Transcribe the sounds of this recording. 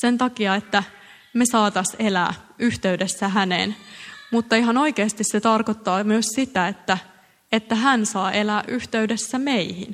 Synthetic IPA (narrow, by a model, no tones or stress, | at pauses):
se̞nt̪ɑkiɑet̪ːæ | mesɑːt̪ɑselæ̰ːyht̪eydesːæɦænḛːnmut̪ːɑiɦɑno̞ikeːst̪isset̪ɑrkot̪ːɑːmyøssit̪æet̪ːæ | et̪ːæɦænsɑːʔe̞læːʔyht̪eydesːæmeihḭn